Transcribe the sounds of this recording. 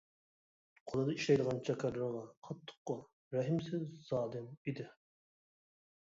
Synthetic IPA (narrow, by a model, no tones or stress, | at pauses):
qʰolˠɑd̪ɑiʃlɛjd̪əʁɑnt͡ʃʰɛkʰæɾɾʁɑqʰɑt̪ʰːə̥qːʊ | ɾɛɦɪmsɪzz̥ɑːlɨmid̪ɪ